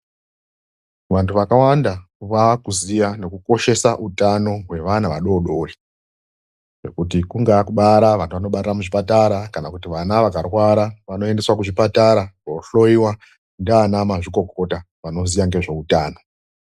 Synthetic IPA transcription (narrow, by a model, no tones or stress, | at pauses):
ʋantʰuʋakawandaʋakuzijane̞kuko̞ʃe̞saʔutano̞ɦwe̞ʋanaʋaɗo̞ɗo̞ri | ʐe̞̰kutikuŋɡakuɓaɾaʋantʰuʋano̞ɓataɾamuʐipataɾakanakutiʋanaʋakarwaɾaʋano̞e̞nde̞swakuʐipataɾakoɬo̞iwa | ndanamaʐiko̞ko̞ta | ʋano̞zijaŋɡe̞ʐe̞utaːno̞